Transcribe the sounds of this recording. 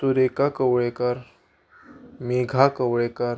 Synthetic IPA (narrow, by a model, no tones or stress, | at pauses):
t̪uɾekakəwɭekaɾ | meɡʱakəwɭekaɾ